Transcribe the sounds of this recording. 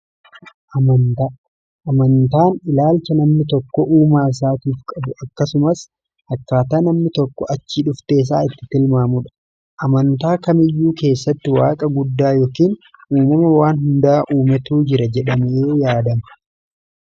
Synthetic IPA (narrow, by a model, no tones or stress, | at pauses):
ʔɐmɐnt̪ː | ʔɐmɐnt̪aːnɪlaːlt͡ʃɐnɐmnɪt̪ɔkːɔʔuːmaːɪs̬aːt̪iːfkʼɐbʊʔɐkːɐsʊmɐs | hɐkːaːt̪aːnɐmnɪt̪ɔkːɔɐt͡ʃːiːᶑʊft̪eːs̬a̰ːɪt̪ːɪt̪ɪlmaːmʊᶑɐ̥ | ʔɐmɐnt̪aːkɐmɪjːuːke̞ːsːɐt̪ːɪwaːkʼɐɡʊd̪ːaːjoːkiːn | ʔuːmɐmɐwaːnɦʊnd̪aːʔuːmɛt̪uːd͡ʒɪɾɐd͡ʒɛᶑɐmeːjaːd̪ɐmɐ